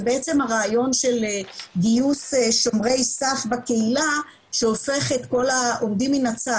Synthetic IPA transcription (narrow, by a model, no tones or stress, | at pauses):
beet͡se̞mhaʁaːjo̞nʃelɡijuseʃo̞mʁe̞jsafbakeila | ʃeo̞fe̞χet̪ko̞laʔo̞mdiminat͡sa